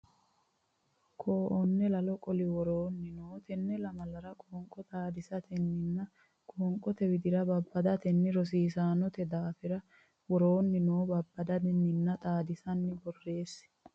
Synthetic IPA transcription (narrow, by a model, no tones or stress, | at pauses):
kʰoːʔɔnːɛlɐlɔkʼɔlɪwɔɾoːnːɪnoːt̪ɛnːɛlɐmɐlɐɾɐkʼoːŋkʼɔt̪ʼaːd̪ɪsɐt̪ʰɛnːɪnːɐ | kʼoɔːŋkʼːɔt̪ɛwɪd̪ɪɾɐbɐbːɐd̪ɐt̪ɛnːɪɾɔs̬iːsaːnɔt̪ɛd̪aːfɪɾɐ | wɔɾoːnːɪnoːbɐbːɐd̪ɐd̪ɛnːɪnːɐt̪ʼaːd̪ɪsɐnːɪbɔrːe̞ːs